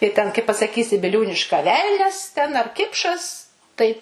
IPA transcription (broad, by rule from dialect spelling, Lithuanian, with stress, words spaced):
tɐɪ tʲɛn kɐɪ pɐsɐˈkʲiːsʲɪ bʲɪˈlʲuːnʲɪʃkɐ ˈʋʲɛlʲnʲɛs tʲɛn ɐr ˈkʲɪpʃɐs tɐɪ